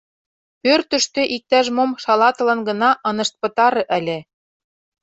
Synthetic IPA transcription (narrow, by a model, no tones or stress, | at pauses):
pørt̪ə̆ʃt̪ø̆ʔik̚t̪æʃmomʃɑlɑt̪ɤ̆lɤ̆nɡɤ̆nɑʔɤ̆nɤ̆ʃt̪̚pɤ̆t̪ɑɾɤ̆ʔælʲĕ